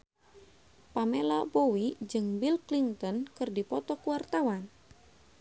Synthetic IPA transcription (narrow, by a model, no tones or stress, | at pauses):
pamelabɔwid͡ʒɨŋbilklint̪ɔnkɨrdipɔt̪ɔkuwart̪awan